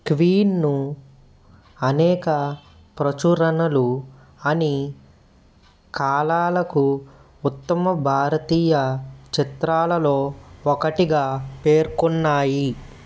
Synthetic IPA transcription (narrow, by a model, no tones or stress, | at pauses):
kʋiːnːu | ɐnɛːkɐ | pɾɐt͡ʃuɾɐnɐlu | ɐni | kʰaːlaːlɐku | ut̪ːɐmɐbʱaːɾɐt̪iːjɐt͡ʃit̪ɾaːlɐlo̞ːɔkɐʈiɡaːpe̞ːɾkunːaːji